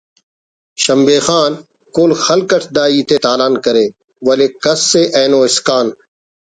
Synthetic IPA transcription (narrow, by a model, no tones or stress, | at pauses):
ʃəmbeːxaːn | koːlxɐlkəʈʰd̪aːiːt̪eːt̪aːlaːnkəɾeː | ʋɐleːkɐsːeːʔɛ̃ːnõːɪskaːn